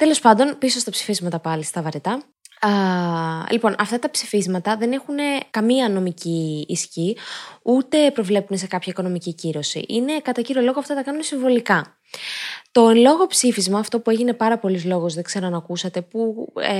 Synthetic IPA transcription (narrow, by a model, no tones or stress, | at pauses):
t̪e̞lo̞spɐnd̪o̞npiso̞st̪ɐpsi̥fizmɐt̪ɐpɐlist̪ɐvɐɾet̪ɐ | lipo̞nʔɐft̪ɐt̪ɐpsifizmɐt̪ɐðe̞ne̞xune̞kɐmiɐno̞miciːsçiut̪e̞pɾo̞vle̞pune̞se̞kɐpçɐiko̞no̞miciciɾo̞sḭʔine̞kɐt̪ɐciɾio̞lo̞ɣoɐft̪ɐt̪ɐkɐnunesiɱvo̞likɐ | t̪o̞enlo̞ɣo̞psifizmɐːft̪o̞pue̞ʝine̞pɐɾɐpo̞lizlo̞ɣozðe̞ɡze̞ɾo̞nɐːkusɐt̪e̞pu